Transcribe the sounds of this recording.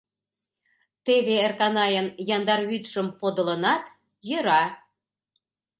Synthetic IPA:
t̪eβeerkɑnɑjɤnjɑnd̪ɑɾβyt̪ʃə̆mpod̪ə̆lə̆nɑt̪ | jə̆ɾɑ

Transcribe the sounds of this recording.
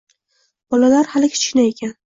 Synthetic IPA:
b̥ɒlalaɾhalɪkʲʰɪ̥t͡ʃkɪnae̞kʲʰan

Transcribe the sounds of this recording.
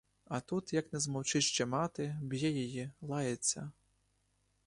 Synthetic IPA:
ɐt̪ut̪jɐknʲɐzmɔwt͡ʃɨʂt͡ʃɛmat̪ɨbjɛjajilˠajɛt̪sʲɐ

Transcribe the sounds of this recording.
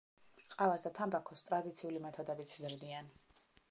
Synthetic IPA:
qʼavasd̪at̪ʰambakʰɔst̪ʼɾad̪it̪sʰiulimɛt̪ʰɔd̪ɛbit̪sʰzɾd̪ian

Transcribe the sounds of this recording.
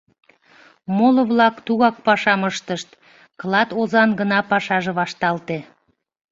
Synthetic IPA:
molŏβlɑkt̪uɣɑkpɑʃɑməʃt̪əʃt̪ | kəlɑt̪ozɑnɡənɑpɑʃɑʒeβɑʃt̪ɑlt̪e

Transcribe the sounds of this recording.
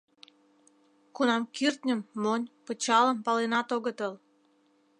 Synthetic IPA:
kunɑmkirt̪ʲnʲə̆mːonʲpə̆t͡ɕɑlə̆mpɑlenɑt̪oɣət̪əl

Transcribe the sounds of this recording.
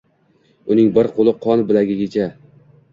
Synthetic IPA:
ʊnɪŋbɪɾqʰolˠɪqʰɒnbɪlaɡʲɪɡʲɪt͡ʃʰa

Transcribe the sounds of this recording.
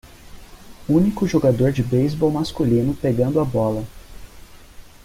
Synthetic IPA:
ũnikʊʒoɡad̪oɾd͡ʒɪbejzbɔwmaskulĩnʊpeɡɐ̃nd̪ʊɐbɔlɐ

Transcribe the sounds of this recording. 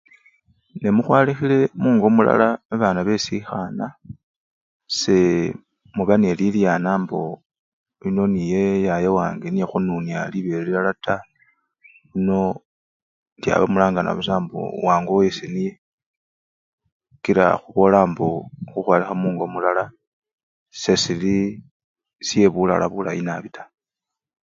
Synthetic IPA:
nemuxwaːlixile̞muːŋɡo̞mula̰laaβaːnaβe̞sixana | se̞ | muβaneliljaːnaːmbo̞ | lino̞nije̞jajewaːŋɡenijexununjaliβelialata | βino̞ | dja̰βa̰mulaːŋɡana̰βus̬aːmbo̰waːŋɡowesenije | kiɾa̰xuβolaːmboxuxwalixamuːŋɡo̞mulala | se̞sili | sije̞βula̰la̰βula̰inaβitʰḁ

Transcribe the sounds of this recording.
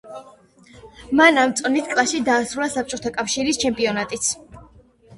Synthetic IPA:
manamt̪sʼɔnit̪ʰkʼlˠaʃid̪aːsɾulasap̚t͡ʃʼɔt̪ʰakʼafʃiɾist͡ʃʰɛmpʼiɔnat̪ʼit̪sʰ

